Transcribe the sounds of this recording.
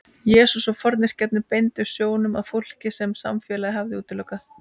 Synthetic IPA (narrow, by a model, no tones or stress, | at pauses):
jɛːsusɔfɔɾt̪nɪɾ̥cɛt̪nɪpejnt̪ʏɾ̥sjoːwnʏmaðfowl̥cɪsɛmsa̰mfjɛːlaðɦavðɪuːt̪ɪlœːkaθ